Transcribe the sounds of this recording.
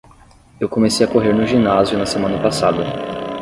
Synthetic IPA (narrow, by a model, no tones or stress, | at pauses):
ewkõmesejɐkoɦeɾnʊʒinazijʊnɐsemɐ̃nɐpasad̪ɐ